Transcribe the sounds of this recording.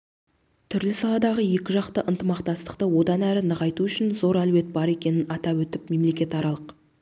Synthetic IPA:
t̪ʰʏɾlɪsɑlˠɑd̪ɑʁəje̞kʲɪʒɑqt̪əʔənt̪əmɑqt̪ɑst̪ə̥qt̪əwo̞d̪ɑnæɾɪnəʁɑjt̪uʏʃɪnzo̞ɾælwe̞t̪̚bɑɾe̞kʲe̞nɪnɑt̪ɑwɵt̪ɪpme̞mle̞kʲe̞t̪ɑɾɑlˠəq

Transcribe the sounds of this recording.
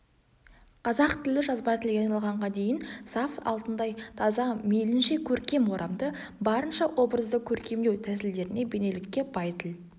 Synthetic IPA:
qʰɑzɑqt̪ʰɪlɪʒɑzbɑt̪ʰɪlɡʲeɑjnɑlˠʁɑɴʁɑd̪e̞jɪnsɑfɑ̰lˠt̪ənd̪ɑjt̪ʰɑzɑmejlɪnʃe̞kʲʰɵɾkʲe̞mo̞ɾʔɑmd̪əbɑɾənʃɑwʔo̞bɾəzd̪əkʲʰɵɾkʲe̞md̪e̞wt̪ʰæsɪld̪e̞ɾɪne̞be̞ne̞lɪkʲːe̞bɑjt̪ʰɪl

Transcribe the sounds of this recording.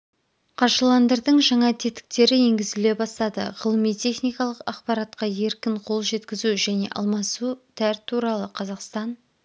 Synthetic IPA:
qʰɑʒəlˠɑnd̪əɾd̪əɴʒɑɴɑt̪ʰe̞t̪ɪ̥k̚t̪e̞ɾɪe̞ŋɡʲɪzɪle̞bɑst̪ɑd̪ə̰ʁəlˠəmijt̪ʲʰe̞χnijkɑlˠəqɑ̰qpɑɾɑt̪̚qɑje̞ɾkʲɪɴqʰo̞lˠʒe̞t̪kʲɪzuʒæne̞̰ʔɑ̰lˠmɑsut̪ʰæɾt̪ʰːuɾɑlˠəqʰɑzɑqst̪ɑn

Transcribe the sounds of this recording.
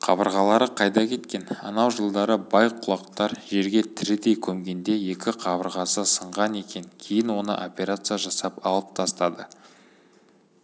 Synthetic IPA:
qʰɑ̰bəɾʁɑlˠɑɾəqʰɑjd̪ɑkʲʰe̞t̪kʲe̞nɑ̰nɑwʒəlˠd̪ɑɾəbɑjqʰːʊlˠɑq̚t̪ɑɾʒe̞ɾɡʲe̞t̪ʰɪɾɪd̪e̞jkʲʰɵmɡʲe̞nd̪e̞je̞kʲɪqʰɑbəɾʁɑsəsəɴʁɑne̞kʲe̞nkʲʰe̞jɪnwo̞nə̰ʔopʲe̞ɾat̪sɨjaʒɑsɑpɑlˠəp̚t̪ʰɑst̪ɑd̪ə

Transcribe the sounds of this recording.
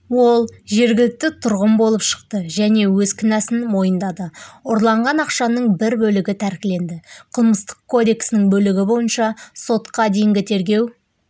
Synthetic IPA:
wo̞lˠʒe̞ɾɡʲɪlɪk̚t̪ɪt̪ʰʊɾʁəmbo̞lˠəpʃə̥qt̪əʒæne̞wɵzkʰʲɪnæsɪnmo̞jənd̪ɑd̪əʊɾlˠɑɴʁɑnɑqʃɑnəɴbɪɾbɵlɪɡʲɪt̪ʰæɾkʲɪle̞nd̪ɪqʰəlˠməst̪ə̥qkʰːo̞d̪e̞ksɪnɪŋbɵlɪɡʲɪbo̞jənʃɑso̞t̪qɑd̪e̞jɪŋɡʲɪt̪ʰe̞ɾɡʲe̞w

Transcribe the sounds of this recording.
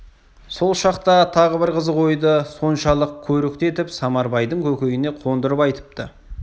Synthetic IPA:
so̞lˠʃɑqt̪ɑt̪ʰɑʁəbɪɾqəzəʁo̞jd̪əso̞nʃɑlˠəq̚kʲʰɵɾɪkt̪e̞t̪ɪpsɑmɑɾbɑjd̪əŋkʲʰɵkʲe̞ɡɪne̞qʰo̞nd̪əɾəpɑjt̪ə̥p̚t̪ə

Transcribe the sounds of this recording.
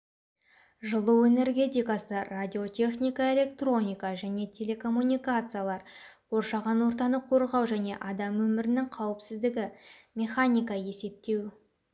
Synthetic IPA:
ʒəlˠəe̞ne̞ɾɡʲe̞t̪̬ʲijkasəradʲio̞t̪ʲʰe̞χnʲijkae̞lʲe̞kt̪ro̞nʲijkaʒæne̞t̪ʲʰe̞lʲe̞kʰo̞mːunʲijkat̪sɨjalˠɑɾwo̞ɾʃɑʁɑnwo̞ɾt̪ɑnəqʰo̞ɾʁɑwʒæne̞̰ʔɑd̪ɑmwɵmɪɾɪnɪŋqʰɑwɪpsɪzd̪ɪɡʲɪmʲe̞χanʲijkɑje̞se̞p̚t̪e̞w

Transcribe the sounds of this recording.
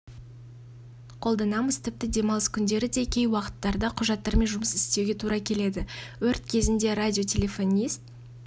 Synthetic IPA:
qʰo̞lˠd̪ɑnɑməz̥t̪ʰɪp̚t̪ɪd̪e̞mɑlˠəskʲʰʏnd̪e̞ɾɪd̪e̞kʲʰe̞jwɑqə̥t̪ːɑɾd̪ɑqʰʊʒɑt̪ːɑɾme̞nʒʊməsɪst̪e̞wɡʲe̞t̪ʰuɾɑkʲʰe̞le̞d̪ɪwɵɾt̪kʲʰe̞zɪnd̪e̞ɾadʲio̞t̪ʲʰe̞lʲe̞fo̞nʲijst̪̚

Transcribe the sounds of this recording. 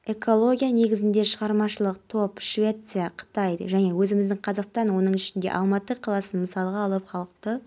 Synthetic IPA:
e̞ko̞lˠo̞ɡʲijane̞ɡʲɪzɪnd̪e̞ʃəʁɑɾmɑʃəlˠəq̚t̪ʰo̞pʃvʲe̞t̪sɨjaqʰə̥t̪ɑjʒæne̞wɵzɪmɪzd̪ɪŋqʰɑzɑqst̪ɑnwo̞nəɴɪʃɪnd̪e̞̰ʔɑ̰lˠmɑt̪əqʰɑlˠɑsənməsɑlˠəʁɑːlˠəpχɑlˠəq̚t̪ə

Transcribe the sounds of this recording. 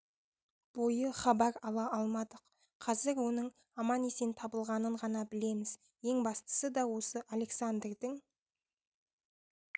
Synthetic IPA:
b̥o̞jəχɑbɑɾɑlˠɑʔɑlˠmɑd̪əq | qʰɑzɪɾwo̞nəɴ | ɑmɑne̞se̞nt̪ʰɑbəlˠʁɑnəɴʁɑnɑbɪle̞mɪz | je̞ŋbɑst̪ə̥səd̪ɑwo̞səʔale̞ksand̪rd̪ɪŋ

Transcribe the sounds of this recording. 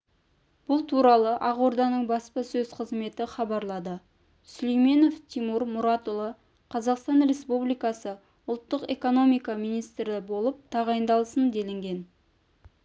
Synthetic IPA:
b̥ʊlˠt̪ʰuɾɑlˠəʔɑʁoɾd̪ɑnəɴbɑspəsɵzqʰəzme̞t̪ɪχɑbɑɾlˠɑd̪ə | sʏlejme̞no̞ft̪ʰimuɾmʊɾɑt̪ʊlˠə | qʰɑzɑqst̪ɑnre̞spublijkɑsə | ʊlˠt̪ːəqe̞̰ko̞no̞mijkɑmijnijst̪ɾɪbo̞lˠəp̚t̪ʰɑʁɑjənd̪ɑlˠəsənd̪e̞lɪŋɡʲe̞n

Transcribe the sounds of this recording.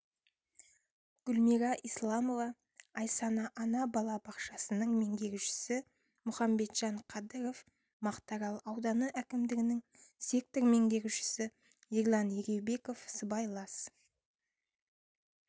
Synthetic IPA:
ɡ̥ʊlmiɾɑʔijslˠɑmo̞vɑː | jsɑnɑʔɑnɑbɑlˠɑbɑqʃɑsənəɴme̞ŋɡʲe̞ɡʲɪʃɪ̥sɪ | mʊχɑmbe̞t̪ʒ̥ɑɴqʰɑd̪əɾo̞f | mɑqt̪ɑɾɑlˠɑwd̪ɑnəʔækʲɪmd̪ɪɡʲɪnɪŋsek̚t̪oɾme̞ŋɡ̪ʲe̞ɡʲɪʃɪ̥sɪ | iɾlˠɑneɾʲe̞wbe̞ko̞fsəbɑjlˠɑs

